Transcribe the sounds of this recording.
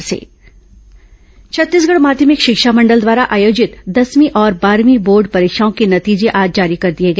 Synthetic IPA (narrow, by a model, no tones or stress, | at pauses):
sḛː | t͡ʃʰɐt̪ːiːs̬ɡɐɽmaːd̪ʱjəmɪkʃɪkʃamɐ̃ɳɖəld̪ʋaːɾaʔaːjoːd͡ʒɪt̪d̪ɐsmiʔɔːɾbaːɾmiboːɾɖpɐɾeːkʃaːõkenɐt̪iːd͡ʒeʔaːd͡ʒd͡ʒaːɾikɐɾd̪ieɡɐː